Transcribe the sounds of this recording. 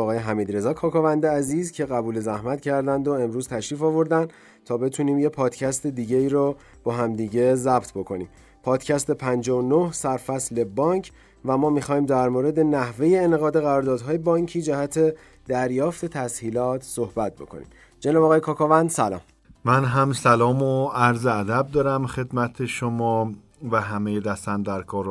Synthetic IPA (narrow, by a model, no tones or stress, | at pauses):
ɣɒːjeɦæmiːd̪ɾe̞zɒːkʰɒːkɒːvænd̪eæziːzcʰe̞ɣæbuːle̞zæhmæt̪cʰæɾd̪ænd̪oe̞mɾuːz̥t̪ʰæʃɾiːfɒːvo̞ɾd̪ænd̪ | t̪ʰɒːbe̞t̪ʰuːniːmjepʰɒːd̪cʰæst̪e̞d̪iːɟeiːɾɔ | b̥ɒːɦæmd̪iːɟe̞zæbt̪ʰbo̞kʰo̞nḭːm | pʰɒːd̪̥cʰæst̪e̞pʰænd͡ʒɒonohsæɾfæsle̞bɒːŋcʰ | væmɒːmixɒːiːmd̪æɾmoːɾe̞d̪e̞næhve̞je̞ːneɣɒːd̪e̞ɣæɾɒːɾd̪ɒːd̪ɦɒːje̞bɒːɲcʰiːd͡ʒæhæt̪ʰe̞ | d̪̥æɾjɒːft̪ʰe̞t̪ʰæshiːlɒːt̪ʰso̞hbæt̪̚ʰbo̞̰kʰo̞̰nḭm | d͡ʒenɒːbːɣɒːjekʰɒːkʰɒːvænd̪̥sælɒ̰ːm | mænɦæmsælɒːmoæɾzeæd̪æb̚d̪ɒːɾæmxe̞d̪mæt̪ʰeʃomɒː | væɦæmejed̪æst̪ænd̪æɾkʰɒːɾ